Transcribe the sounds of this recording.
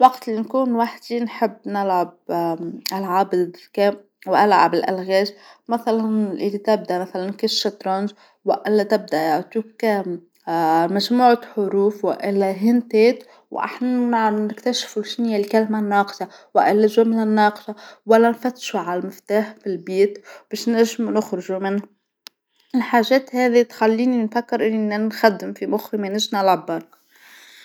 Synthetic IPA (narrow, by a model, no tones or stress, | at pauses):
waɡt̪lːinkuːnwaħd̪inħɪbːnɪlʕab̚ | ʔalʕabd̪d̪keːm | wʔalʕa̰bɪlʔa̰lɣeːʃmaθalanʔɪ̰lːit̪ɪb̚d̪aʔmaθalankɪʃʃːat̪ɾɑnd͡ʒ | wɪʔɪlːat̪ɪb̚d̪aʔjaʕt̪uːkː | maʒmuːʕaħʊɾuːfwɪ̰ʔɪlːaɦɪnt̪eːt̪ | wʔa̰ħnanɪkt̪aʃfulʃɪnɪjːalkalmanːɑːqʃawaʔɪlːɪʒumɪnɪnːɑːqʃawalːanfat̪ʃuʕalalmɪft̪aːħfilbiːt̪b̥eːʃnaʒːɪmunʊxɾɪʒumɪnha | ɪlħaːʒeːt̪heːðit̪xalːiːninfakːɪɾʔɪnnːanxad̪ːɪmfimʊxɾimenɪʒnalʕabːɑːn